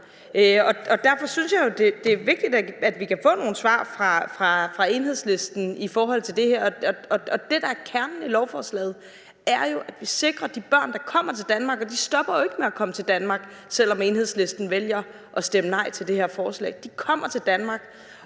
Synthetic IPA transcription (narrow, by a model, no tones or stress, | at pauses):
øɒ̽ɒ̽d̥æɐfɒ̽synsjɑ̈ɪo̝d̥e̝d̥e̝æɐʋe̝ɡ̥̚d̥id̥ææd̥ʋikʰæfɔ̰ːno̝ːn̩sʋɑ̰̈ːfʁɑ̈fʁɑ̈fʁɑ̈e̝nɦe̝ð̞̰ˠsle̝sd̥n̩ifɒːɦɒ̽l̰t͡sʰe̝ld̥e̝hæɐ̰ɒɒ̽ɒ̽ɒ̽d̥e̝d̥ɑ̈æɐkʰæɐnnilɒʊfɒːslɛ̰ːð̩ˠ | æɐjo̝ʔæd̥ʋise̝ɡ̥ʁɐd̥ib̥ɶɐ̰nd̥ɑ̈kʰɒ̽m̰ɐt͡sʰe̝ld̥ænmɑ̈ːɡ̥ɒ̽d̥isd̥ɒ̽b̥ɐjoe̝ɡ̥əmeækʰɒ̽mət͡sʰe̝ld̥ænmɑ̈ɡ̥ | sel̰ɒ̽me̝ːnhe̝ð̞ˠsle̝sd̥n̩ʋeljɐ | ʔɒ̽sd̥emənɑ̈ɪ̰t͡sʰe̝ld̥e̝he̝ɐfɒːslɛ̰ːɪd̥ikʰɒ̽m̰ɐt͡sʰe̝ld̥ænmɑ̈ɡ̥